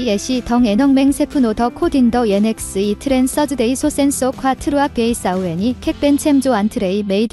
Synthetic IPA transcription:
eɕʰitʌŋeɲʌŋme̞ŋsʰe̞pʰɯnotʌkʰodindʌeneks͈ɯitʰɯɾens͈ʌdɯde̞isʰos͈e̞ns͈okʰwatʰɯɾɯak̚pe̞is͈aue̞ɲikʰe̞k̚p͈e̞nt͡ɕʰe̞md͡ʑoantʰɯɾeime̞id

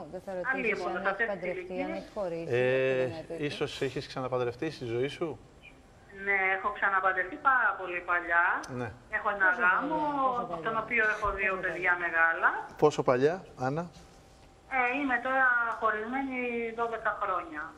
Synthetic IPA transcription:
ɐlimonossɐestilici | e | iso̞siçesksɐnɐpɐðd̪ɾeft̪ist̪izo̞isu | neexo̞ksɐnɐpɐd̪ɾe̞ft̪ipɐɾɐpo̞lipɐʎɐnee̞xo̞enɐɣɐmot̪o̞no̞pio̞e̞xo̞ðio̞pe̞ðʝɐme̞ɣɐlɐpo̞so̞pɐʎɐɐnɐ | eime̞t̪o̞ɾɐxo̞ɾizme̞niðo̞ðe̞kɐxɾo̞ɲɐ

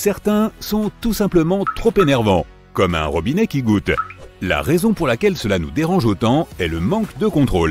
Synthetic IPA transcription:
sɛʁt̪ɛ̃sɔ̃t̪usɛ̃pləmɑ̃t̪χopenɛʁvɑ̰̃ | kɔmɛ̰̃ʁɔbinɛkʲiɡut̪la̰ʁɛzɔ̃puʁlakʲɛlsəlanud̪eʁɑ̃ʒot̪ɑ̃ɛləmɑ̃kd̪əkɔ̃t̪χol

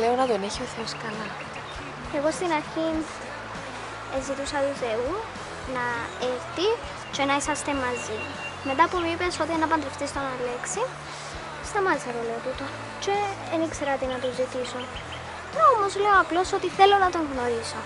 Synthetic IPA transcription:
le̞onɐt̪o̞ne̞çio̞θe̞o̞skɐlɐ | e̞ɣo̞st̪inɐɾçin | ezit̪usɐt̪uθe̞u | nɐeɾt̪i | t͡ʃe̞nɐisɐst̪e̞mɐzi | me̞t̪ɐpumipe̞so̞t̪ienːɐp̬ɐnd̪ɾeft̪ist̪onɐle̞ksi | st̪ɐmɐzɐɾole̞ot̪ut̪o | t͡ʃe̞ːnikse̞ɾɐot̪inɐt̪ozit̪ison | omozleoɐplo̞so̞t̪iθe̞lːo̞nɐt̪o̞ŋɣno̞ɾiso̞

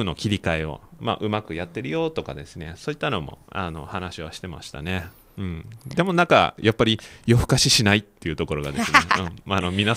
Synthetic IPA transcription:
ɯ̟no̞kʲiɾʲikaeo̰ma̰ʔɯ̟makɯ̟jat̪ːe̞ɾɯ̟jo̞ːt̪o̞ka̰d̪e̞sɨne̞so̞ːit̪ːano̞mo̞̰a̰no̞̰hanaɕiβaɕi̥t̪ema̰ɕi̥t̪a̰ne̞ | ɯ̟̃ɴd̪e̞mo̞nãŋka̰japːaɾʲijo̞ɸɯ̥kaɕiɕinait̪ːe̞iɯ̟t̪o̞ko̞ɾo̞ɡa̰d̪esɨneɯ̟̃ɴano̞mʲina

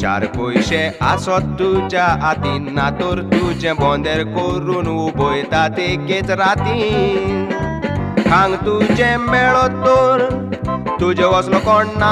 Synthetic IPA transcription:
t͡ʃa̰ɾkojʃɛasɔd̪ʱut͡ʃaat̪inːat̪oɾt̪ud͡ʒɛ̃bɔ̃nd̪ɛɾkoɾunʋubojt̪at̪ʰeket͡sɾat̪i | kʰãŋɡt̪ut͡ʃɛ̃mɛɭot̪oɾt̪ud͡ʒeʋɔslɔkɔɳna

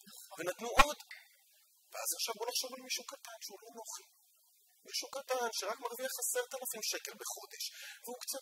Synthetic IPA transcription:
venat̪nuʔo̞d | veazaχʃavulaχʃo̞valemiʃuukat̪anʃeulonoχi | miʃuukat̪anʃeʁakmaʁviaχaset̪alafimʃe̞ke̞lbeχo̞d̪e̞ʃvehukt͡sat̚

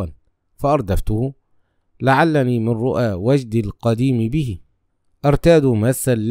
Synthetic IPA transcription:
an | faʔɑɾˤd̪aft̪ʊhʊ | laʕalːaniːmɪnɾʊʔaːwad͡ʒd̪alqɑd̪iːmɪbɪɦɪ | ʔɑɾˤt̪aːd̪ʊmasːalː

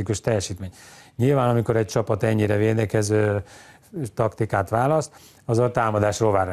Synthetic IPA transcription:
ikuʃt̪ɛjːɛʃiːt̪meːɲɲilvaːnɒmiko̞ɾɛc̚t͡ʃɒpɒt̪ɛɲːiɾɛveːd̪ɛkɛzøː | t̪ɒkt̪ikaːt̪ʋaːlɒst̪ | ɒzolt̪aːmɒd̪aːʃroːlvaːr

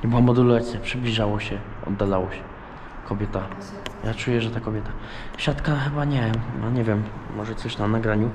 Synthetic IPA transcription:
ɲɛbɨwamɔd̪ulat̪sʲjapʂɘblʲiʐawɔɕɛ | ɔ̰d̪ːalawɔɕɛ | kʰɔbʲjɛt̪a | jʔat͡ʂujɛʐɛt̪akɔbʲjɛt̪aɕat̪kaxɛbaɲɛa̰ɲɛvʲjɛmːɔʐɛt̪sɔɕnanaɡɾaɲu

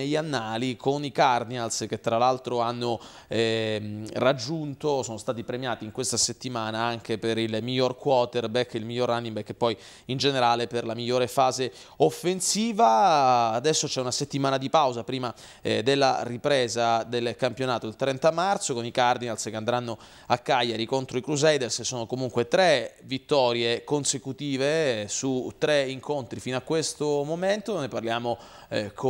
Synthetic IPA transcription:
eʎːanːaːlikʰonikard̪inalsk̟et̪ːɾalalt̪ɾoanːo | ɛ | rad͡ʒːunt̪osoːnost̪aːt̪ipɾemjaːt̪iːŋkwest̪aset̪ːimaːnaaŋk̟epeɾilmiʎːorkwɔːt̪erbɛkːilmiʎːorːanːimbɛkːepːɔj | ind͡ʒeneɾaːleperlamiʎːoːɾefaːze | ofːensiːvaːd̪ɛsːot͡ʃɛunaset̪ːimaːnad̪ipawzapɾiːma | d̪elːa̰ripɾɛːzad̪elkampjonaːt̪oilt̪ɾɛnt̪amart̪sokonikard̪inalskeand̪ɾanːo | akːajːaɾikont̪ɾoikɾuzɛjd̪elssoːnokomuŋkwet̪ɾevit̪ːɔːɾjekonsekut̪iːvesut̪ːɾeiŋkont̪ɾifinoakːwest̪omoment̪oneparljaːmo | kʰ

